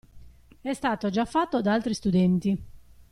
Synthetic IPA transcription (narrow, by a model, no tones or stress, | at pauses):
ɛst̪aːt̪od͡ʒafːat̪ːod̪aalt̪ɾist̪ud̪ɛnt̪i